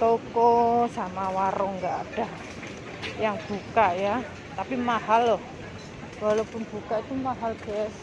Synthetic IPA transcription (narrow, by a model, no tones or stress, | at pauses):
t̪okɔsamawaɾɔŋɡaʔaɖ̥a̤ | jaŋb̥ṳkaʔja | t̪apimaɦalːɔh | walopʊnb̥ṳkaʔit̪umaɦalb̥ɛɛs